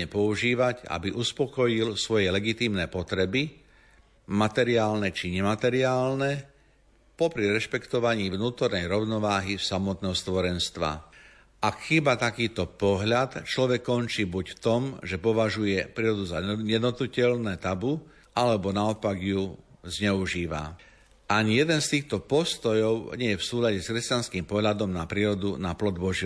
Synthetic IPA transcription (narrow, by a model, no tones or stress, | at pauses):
ɛpɔuʒiːʋaɟa̰biʔuspɔkɔjilsʋɔjɛlɛɡit̪iːmnɛːpɔt̪ɾɛbi | mat̪ɛɾiaːlnɛt͡ʃiɲɛmat̪ɛɾiaːlnɛ | pɔpɾiɾɛʃpɛkt̪ɔʋaɲiːʋnuːt̪ɔɾnɛjɾɔʊnɔʋaːɦifsamɔt̪nɛːɦɔst̪ʋɔɾɛnst̪ʋa̰ | ʔakxibat̪akiːt̪ɔpɔɦʎat̪t͡ʃlɔʋɛkːɔnt͡ʃiːbucft̪ɔmʒɛpɔʋaʒujɛpɾiːɾɔd̪uzaɛd̪ɔt̪ucɛlnɛːt̪abu | ʔalɛbɔnaɔpaɡjuzɲɛuʒiːʋa̰ | ʔaɲijɛd̪ɛnst̪iːxt̪ɔpɔst̪ɔjɔʊɲɪɛjɛfsuːlaɟɛskɾɛscanskiːmpɔɦʎad̪ɔmnapɾiːɾɔd̪unaplɔd̪bɔʒi